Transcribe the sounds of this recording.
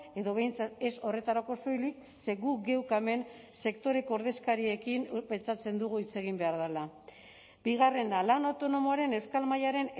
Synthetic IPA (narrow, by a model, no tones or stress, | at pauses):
e̞ðo̞βe̞jnt͡sat̪e̞so̞re̞t̪aɾako̞so̞jlik | se̞ɣuɡe̞wkame̞n | se̞kt̪o̞ɾe̞koːɾðe̞skaɾie̞kimpe̞nt͡sat͡se̞nd̪uɣ̞uit͡se̞ɣ̞imbe̞aɾðala | biɣ̞are̞nalanawt̪o̞no̞moaɾe̞ne̞wskalmajaɾe̞n